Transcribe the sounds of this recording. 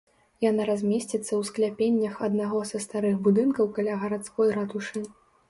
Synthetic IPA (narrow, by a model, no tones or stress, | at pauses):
janaɾazʲmʲesʲt͡sʲit̪sːɐwsklʲapʲenʲːɐxɐd̪naɣɔzɐst̪aɾɨxbud̪ɨnkɐwkalʲaɣɐɾat̪skɔjɾat̪uʂɨ